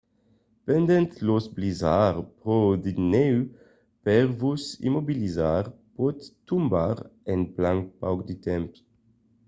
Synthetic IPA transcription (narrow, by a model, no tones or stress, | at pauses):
pɛnd̪ɛ̃nt̪losblizaːʁpʁod̪inɛw | pɛʁvusḭmobilizaːʁpot̪ː | umbaʁɛnplãŋk̚pa̰wkd̪it̪ɛmp